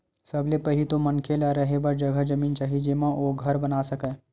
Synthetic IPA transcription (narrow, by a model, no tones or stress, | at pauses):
sɐblepɛɦlit̪omɐnkʰelaɾɐɦebɐɾd͡ʒɐɡʱəd͡ʒɐmiːnt͡ʃaːɦid͡ʒemãoːɡʱɐɾbɐnaːsɐkɛː